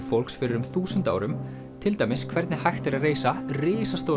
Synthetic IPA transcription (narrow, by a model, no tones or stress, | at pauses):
fowl̥ksfɪɾɪɾʏmθuːsʏnt̪a̰ːwɾʏm | t̪ʰɪlt̪ajmɪskʰvɛɾt̪nɪhajxt̪ɪɾaðreːjsarɪːsast̪ow